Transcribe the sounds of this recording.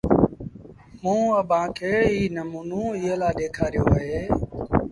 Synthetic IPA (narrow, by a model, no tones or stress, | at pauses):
mũːəɓʱãːkʰeːiːnəmuːnũːɪːɦəlaːɗeːkʰaːɾɪjoːɦeː